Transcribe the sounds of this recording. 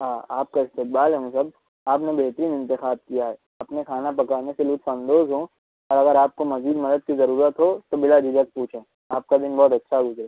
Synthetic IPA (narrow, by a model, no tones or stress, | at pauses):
ɦaːaːp̚kaɪst̪eːk̚baːlɦɛɦũsɐb̚ | aːpnebeɦt̪əɾiːnɪ̃nt̪ɪxaːd̪̚kijaɦɛ | ɐpnekʰaːnapɐkaːneselʊt̪fɐ̃nd̪oːzɦõ | ɔːɾɐɡəɾaːp̚komɐziːd̪mɐd̪əd̪̚kizɐɾuːɾət̪ɦot̪obɪlad͡ʒid͡ʒək̚puːt͡ʃʰẽ | aːp̚kad̪ɪnbɔːt̪ɐtːʃʰaɡʊzɾeː